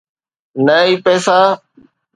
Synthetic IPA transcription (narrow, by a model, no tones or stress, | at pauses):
nəiːpɛːsaː